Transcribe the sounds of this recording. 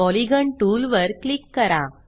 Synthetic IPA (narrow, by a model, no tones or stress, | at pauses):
ɔliɡəɳʈuːlʋəɾklikːəɾa